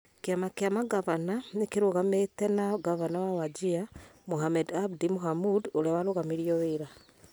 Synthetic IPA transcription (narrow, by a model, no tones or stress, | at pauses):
keamakeamaɡaβananekeɾoɣamɛtɛnaɡavanawawad͡ʒiamoɦamɛdabdimoɦamudoɾewaɾoɣamiɾiɔweɾa